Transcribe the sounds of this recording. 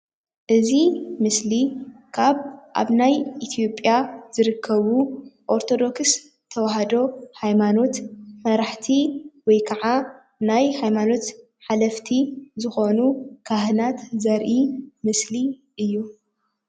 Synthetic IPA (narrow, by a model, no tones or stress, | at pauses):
ʔɨzimɨslikʰaβʔa̰βnajit̪ʰjo̞pʼjaz̥ɨɾɨkʰːɐβuʔoɾt̪ʰo̞d̪o̞ks | t̪ʰɐwaɦad̪o̞hajmano̞t̪mɐɾaħt̪ʰiwɔjkʰɐʕa | najhajmano̞t̪ | ħalɐft̪ʰizɨxo̞nukʰaɦɨnat̪zɐɾʔimɨsli | ʔɨjːu